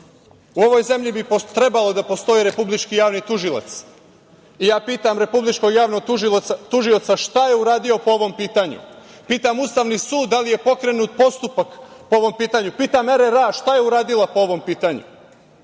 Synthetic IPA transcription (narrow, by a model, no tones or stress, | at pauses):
uo̞ʋo̞jze̞mʎibit̪ɾe̞balˠo̞d̪apo̞st̪o̞iɾe̞publit͡ʃkijaːʋnit̪uʒilˠa̰t̪s | ijaːpiːt̪amɾe̞publit͡ʃko̞ɡjaːʋnoɡt̪uʒio̞t̪saʃt̪aje̞uɾaːd̪io̞po̞o̞ʋo̞mpiːt̪aɲṵ | piːt̪amust̪aʋnisuːd̪ːalije̞po̞kɾe̞nuːt̪̚po̞st̪upakpooʋo̞mpiːt̪aɲupiːt̪ameɾeɾaʃt̪aje̞uɾaːd̪ilˠapo̞o̞ʋo̞mpiːt̪aɲṵ